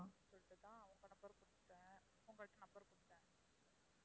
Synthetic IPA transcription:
asɔlt̪ːɯt̪ãːɐʋɐŋɡɐnɐpːɐɾkʊɽɯʈ̪ːẽː | ʊŋɡɐɭʈːɯ̃nɐpːɐɾkʊɽɯt̪ːɛ̃ː

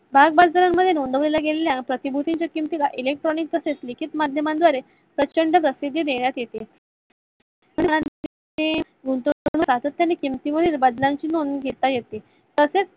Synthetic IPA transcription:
bʱaɡ̚bad͡zɾamːəd̪ʱjenond̪əʋlelaɡeleljapɾət̪ibʱut̪iɲt͡ɕjakimt̪ikaʔilek̚ʈɾɔnik̚pəseslikʰit̪mad̪ʱjəmand̪ʋaɾe | pɾət͡ɕəɳɖəpɾəsid̪ʱːjəd̪eɳjat̪jet̪e | məɳ̃iɽ̃an | t̪e | ɡʱunt̪oñut̪at̪ət̪ːjanːekimt̪iməd̪ʱebəd̪lãɲt͡ɕiːnonɡʱet̪ajet̪i | t̪əset͡s

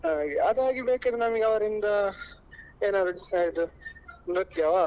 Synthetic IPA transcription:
aɡiɐd̪aːɡibeːked̪unɐmiɡɐʋɐɾind̪ɐ | eːnaːɾuɖisaːjit̪uɾɐt̪jɐʋaː

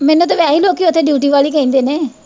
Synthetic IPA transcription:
mɛːnũːt̪̬eʋɛːiːloːkːiot̪ʰːeːɖjuːʈ̬iːʋaːliːkəĩnd̪eːneː

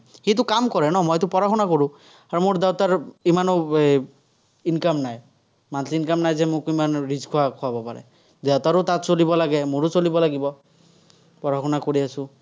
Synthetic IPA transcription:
xit̬ʊkamkɔɹɛnɔmɔjtʊpɔɹaxɔnakoɹʊ̃ | aɹumoɹdɛwtaɹimanɔ | inkamnaj | mansʰiinkamnajzɛmʊkimanɹizkʰuwakʰʊabɔpaɹɛ̰ | zɛwtaɹotatsolibɔlaɡɛmʊɹosolibɔlaɡibɔ | pɔɹaxɔnakoɹiasʊ̃

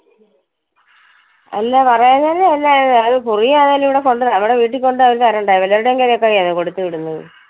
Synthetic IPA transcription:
ɐ̰lːapɐrɐjɐnːaːleelːaːjɐðɨpurijaːnaliʋiɽeko̞ɳɖɨnɐʋiɽeʋiːʈ̬ːikʲːo̞ɳɖɨɐʋiɾt̪ɐrɐuɳɖɐːjʋɐlːaːɾuɽeŋɡeɾijokːaːɣiɐðɨkoɽut̪ːɨʋiɽunːɐðɨ̰

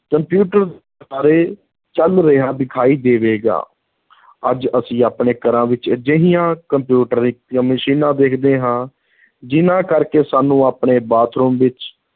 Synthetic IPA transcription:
kəmpjuːʈəɾd̪ | aːɾeː | t͡ʃəlɾəɦaːd̪ɪkʰaːiːd̪eːʋeːɡa̰ː | əd͡ʒəsĩːaːpɳeːkəɾãːʋɪt͡ʃd͡ʒəɦɪjãːkəmpjuːʈəɾiãːməʃiːnãːd̪eːkʰd̪eːɦãː | d͡ʒɪnãːkəɾkeːsaːnũːaːpɳeːbaːt̪ʰɾuːmʋɪt͡ʃ

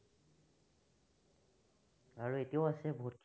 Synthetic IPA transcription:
aɹuetijaʊasɛbʱotkʰ

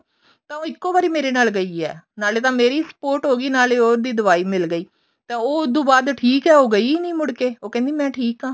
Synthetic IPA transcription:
t̪ãːõːɪkːoːbaːɾiːmeːɾeːnaːlɡəiːɛ̰ːnaːleːt̪ãːmeːɾiːsə̥poːɾʈɦoːɡiːnaːleːoːɾd̪iːd̪əʋaːiːmɪlɡəiː | t̪ãːoːʊd̪ũːbaːd̪ʈʰiːkɦɛːoːɡəiːnĩːmʊɽkeːoːkɛ̃ːnd̪iːmɛ̃ːʈʰiːkãː

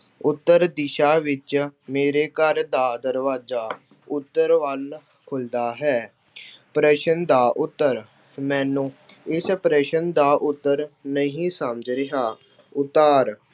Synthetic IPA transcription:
ʊt̪ːəɾd̪ɪʃaːʋɪt͡ʃmeːɾeːkəɾd̪aːd̪əɾʋaːzaː | ʊt̪ːəɾʋəl | kʰʊld̪aːɦɛː | pɾɛːʃənd̪aːʔʊt̪ːəɾ | mɛ̃ːnũːɪspɾɛːʃənd̪aːʔʊt̪ːəɾnəɦĩːsəmd͡ʒɾɪɦaː | ʊt̪ːaːɾ

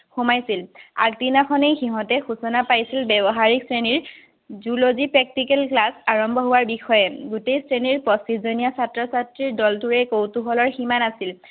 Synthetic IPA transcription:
xumajsila̰k̚tinakʰɔnejxiɦɔ̃tɛxusɔnapajsilbɛbɔɦaɹik̚sɹeniɹ | zulozipɹɛk̚tikɛlklasaɹɔmbʱɔɦowaɹbixɔjɛɡutejsɹeniɹpɔsizonijasatɹɔsatɹiɹdɔltuɹɛkowtuɦɔlɔɹximanasil

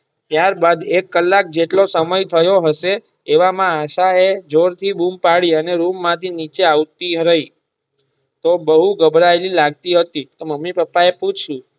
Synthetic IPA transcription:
t̪jaɾbad̪ekːəlːak̚d͡ʒeʈlosəməjt̪ʰəjoɦəʃeː | ʋamãːʃaed͡ʒoɾt̪ʰibumpaɽiəneɾumːãt̪ʰinit͡ʃeaʋt̪iɦɾəi | t̪obəɦuɡəbʱɾaelilaɡ̚t̪iɦət̪it̪oməmːipəpːaeput͡ʃʰʃũ

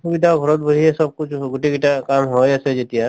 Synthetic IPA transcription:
subid̪ʱabʱɔɾɔt̪̚bəɦiesɔb̚kʊt͡ʃʰɡuʈiɡiʈakaːmɦod͡ʒɛsed͡ʒet̪ia

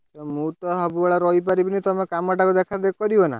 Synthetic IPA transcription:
t̪ɔmũt̪ɔɦabuaɭaɾɔɦipaɾibinit̪ɔmekamaʈakud̪ekʰad̪ekɔɾibɔna̰

